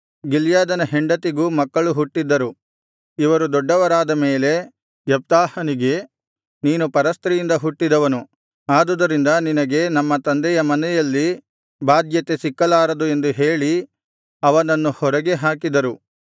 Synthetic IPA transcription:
ɡiljaːd̪ɐnɐɦeɳɖɐt̪iɡuːmɐkːɐɭuɦuʈːid̪ːɐɾu | iʋɐɾud̪ɔɖːɐʋɐɾaːd̪ɐme̞ːle̞ | ʋjɐp̚t̪aːhɐniɡe̞ | niːnupɐɾɐst̪ɾɛjind̪ɐɦuʈːid̪ɐʋɐnu | aːd̪ud̪ɐɾind̪ɐninɐɡe̞nɐmːɐt̪ɐnd̪ɛjɐmɐnɛjɐlːi | baːd̪jɐt̪esikːɐlaːɾɐd̪ue̞nd̪uɦe̞ːɭi | ɐʋɐnɐnːuhɔɾɐɡe̞ɦaːkid̪ɐɾu

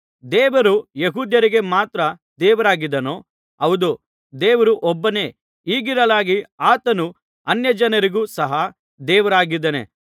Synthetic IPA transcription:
d̪ɛːʋɐɾujeɦuːd̪jɐɾiɡe̞maːt̪ɾɐ | d̪ɛːʋɐɾaːɡid̪ɐnoː | ɐwd̪u | d̪ɛːʋɐɾuʔɔbːɐne̞ː | iːɡiɾɐlaːɡiaːt̪ɐnu | ɐnjɐd͡ʒɐnɐɾiɡuːsɐɦɐ | d̪ɛːʋɐɾaːɡid̪ɐnḛ

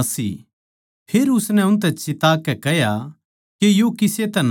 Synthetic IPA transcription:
sḭː | pʰeːɾʊsnɛʊ̃nt̪̬ɛt͡ʃɪt̪aːkːɛkɛɦja | kejokɪset̪ɛn

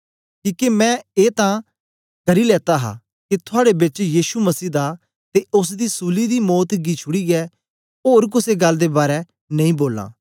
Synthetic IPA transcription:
kĩːkemɛ̃ːeːt̪ã | kɐɾilɛːt̪aɦa̰ | kit̪ʰʊaːɽebɪt͡ʃjiːʃumɐsiːd̪a | t̪eʊs̬d̪isuːlid̪imɔːt̪ɡit͡ʃʰʊɽiɡɛː | oːɾk̬ʊseɡɐlːd̪ebaːɾɛ | nɐ̃ĩːboːlã̰ː

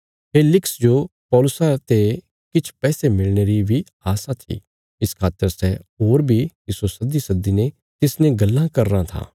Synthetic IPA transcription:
pʰeːlɪksd͡ʒopɔːlʊsat̪e | kɪt͡ʃʰpɛːsemɪlneːɾibʱihaːsat̪ʰḭː | ɪskʰaːt̪əɾsɛɦoːɾbʱik̪ɪsosɐd̪isɐd̪ːine | t̪ɪsnẽɡɐlːãkɐɾːãt̪ʰã̰ː

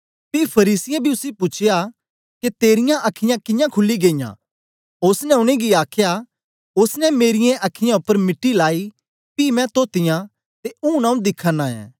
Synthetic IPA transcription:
pipʰɐɾiːsɪjẽbʱiʊsipʊt͡ʃʰɪja | ket̪eːɾɪjãʔɐkʰɪjãkɪjãkʰʊlːiɡeːɪjã̰ː | ʊsnɛʊñẽɡiaːkʰja | ʊsnɛmeːɾɪjẽʔɐkʰɪjãʊpːəɾmɪʈːilaːi | piːmɛ̃t̪oːt̪ɪjã | t̪eũːnãːũd̪ɪkʰaːnaɛ̰̃ː

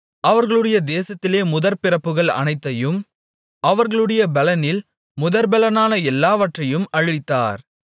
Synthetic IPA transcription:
ʔɐʋɐɾɣɐɭɯɽɐjɐd̪eːsɐt̪ːɪleːmʊðɐɾpɪrɐpːɯɣɐɭɐ̰nɐɪt̪ːɐjɯm | ʔɐʋɐɾɣɐɭɯɽɐjɐbɛlɐnɪl | mʊðɐɾbɛlɐnaːnɐɛlːaːʋɐʈrɐjɯmɐɻɪɪt̪ːa̰ːɾ

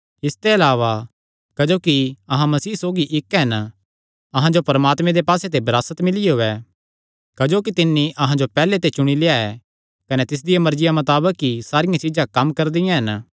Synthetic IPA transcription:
ɪst̪eɐlaːʋa | kɐd͡ʒoːkiɐɦãmɐsiːsoːɡiʔɪkɦɐn | ɐɦãd͡ʒopɐɾɐmaːt̪mẽd̪epaːset̪ebɐɾaːsət̪mɪlɪeɦoːɛ | kɐd͡ʒoːkit̪ɪnːiʔɐɦãd͡ʒopɛːlet̪et͡ʃʊɽ̃ileːaɛ | kɐnɛt̪ɪs̬d̪ɪjamɐɾd͡ʒɪjamɐt̪aːbəkɦisaːɾɪjãt͡ʃɪd͡ʒãkɐmkɐɾd̪ɪjãɦɐn

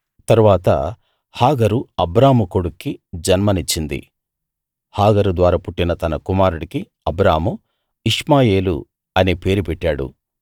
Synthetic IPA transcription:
t̪ɐɾuʋaːt̪ɐ̰ | haːɡɐɾuɐbɾaːmukoɽukːid͡ʒɐnmɐnit͡ʃːind̪ḭ | haːɡɐɾud̪ʋaːɾaːpuʈːinɐt̪ɐnɐkumaːɾuɽiki | ɐbɾaːmu | iʂmaːje̞ːlṵ | ɐneːpe̞ːɾupɛʈːaːɽṵ

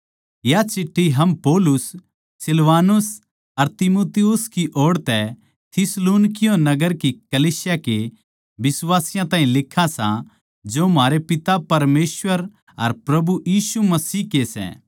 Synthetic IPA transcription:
jat͡ʃʰɪʈʰːiɦɐmpoːlʊs | sɪlʋaːnʊs | ɐɾt̪ɪmoːt̪ɪjʊskiʔoːɽt̪ɛ | t̪ʰɪsloːnkɪjõnɐɡəɾkikɐliːsɪjake | bɪswaːsɪjãt̪aːĩlɪkʰːasã̰ | d͡ʒomaːɾepɪt̪apɐɾmeːsʋəɾ | ɐɾpɾɐbujiːsumɐsiːkesɛ̰̃ː

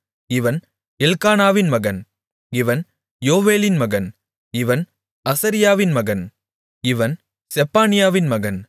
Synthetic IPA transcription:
ɪʋɐn | ɛlkaːnaːʋɪnmɐɣɐn | ɪʋɐn | joːʋeːlɪnmɐɣɐn | ɪʋɐn | ɐsɐɾɪjaːʋɪnmɐɣɐn | ɪʋɐn | sɛpːaːnɪjaːʋɪnmɐɣɐn

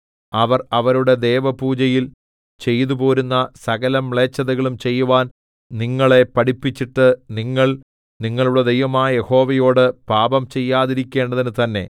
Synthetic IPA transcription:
ɐʋɐrɐʋɐɾuɽe̞d̪e̞ːʋɐpuːd͡ʑɐjil | t͡ɕe̞jt̪ubo̞ːɾunːɐsɐɣɐlɐmːɭe̞ːt͡ɕːɐðɐɣɐɭumt͡ɕe̞jːuʋaːn | niŋːɐɭe̞pɐɽipːit͡ɕːiʈːɨniŋːɐɭ | niŋːɐɭuɭːɐd̪e̞jʋɐmaːjɐje̞ho̞ːʋɐjo̞ːɽɨpaːbɐmt͡ɕe̞jːaːðiɾikʲːe̞ːɳɖɐðinɨt̪ɐnːe̞̰

